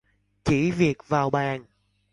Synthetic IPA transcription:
t͡ɕi˧˩vi˨˩ək̚vaː˨˩wɓaː˨˩n

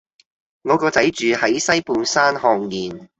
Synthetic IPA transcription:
ŋɔː˨˧kɔː˧t͡sɐ˨˥jt͡ʃyː˨hɐ˨˥jsɐ˥jpuː˨˧nsaː˥nhɔː˧ŋːiː˨n

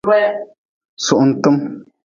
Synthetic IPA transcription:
bɛ˦ | su˨ʔn̩˨tɨ˦m

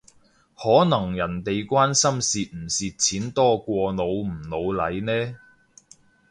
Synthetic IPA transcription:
hɔː˨˥nɐ˨˩ŋjɐ˨˩nt̪e˨jkʷwaː˥nsɐ˥msiː˨t̚m̩˨˩siː˨t̚t͡sʰiː˨˥nt̪ɔː˥kʷɔː˧no˨˧w̩˨˩no˨˧wlɐ˨˧jnɛː˥

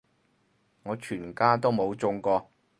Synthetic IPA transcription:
ŋɔː˨˧t͡ʃʰyː˨˩nkaː˥t̪̬o˥wmo˨˧wt͡sʊ˧ŋkɔː˧

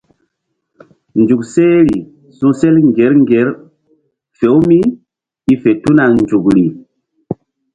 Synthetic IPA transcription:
nd͡ʒu˨kse˦ɾi˨ | su˦se˦lŋɡe˨˦ɾŋɡe˨˦ɾ | fe˨˦wmi˦ | i˦fe˨tu˦na˨nd͡ʒu˨kɾi˨

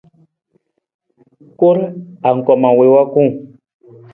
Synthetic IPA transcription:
ko˦ɾa˨ŋ̩˨ka˨ma˨we˨wa˦kũ˦

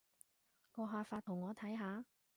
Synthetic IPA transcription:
kɔː˧ɦaː˧faː˧t̪ʰʊ˨˩ŋɔː˨˧t̪ʰɐ˨˥jɦaː˨˧

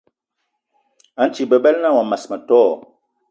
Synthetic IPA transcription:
a˨˦n˦t͡ʃi˨bɛ˨bɛ˦lna˦˨wa˨ma˨sma˨tɔː˦˨

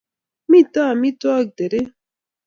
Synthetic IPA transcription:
mi˦˨t̪a˦˨mi˦t̪wa˦k̚d̪e˨ɾe˦

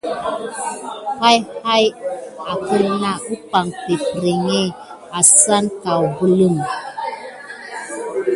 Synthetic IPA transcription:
ha˦jha˦ja˨kə˦lna˦˨ʔu˦pa˨ŋpe˨pɾe˨ŋe˦˨ | a˨sa˦nka˨wbu˦lə˦˨ŋ

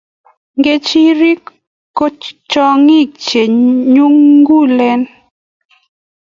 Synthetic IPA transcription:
ŋɡe˦t͡ʃi˦ɾi˦k | kːo˦t͡ʃt͡ʃɔ˦ŋi˦kt͡ʃe˨ɲu˦ŋɡu˦˨lɛ˦n

